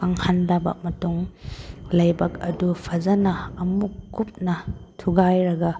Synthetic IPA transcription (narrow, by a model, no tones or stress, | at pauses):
kaŋhandabɐ̰mɐtuŋ | lajbɐkɐdupʰɐzɐnɐːmukːup̚nɐtʰuɡajɾɐɡɐ